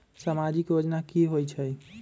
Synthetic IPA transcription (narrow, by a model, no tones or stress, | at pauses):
samad͡ʒikjod͡ʒnakiɦojt͡ʃʰəj